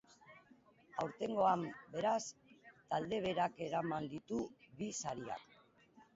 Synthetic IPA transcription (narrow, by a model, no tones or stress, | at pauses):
awɾt̪e̞ŋɡo̞ambe̞ɾast̪ald̪e̞β̞e̞ɾake̞ɾamand̪it̪uβisaɾia̰k